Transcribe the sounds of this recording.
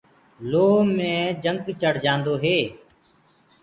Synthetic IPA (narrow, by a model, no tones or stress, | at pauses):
loːmẽːd͡ʒəŋɡt͡ʃəɽd͡ʒãːnd̪oːɦeː